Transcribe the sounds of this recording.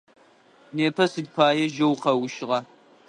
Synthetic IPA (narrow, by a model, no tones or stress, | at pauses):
neːpʰɐsɨdʲpʰaːjɐʒɐwqɐwʊʃɪʁɐ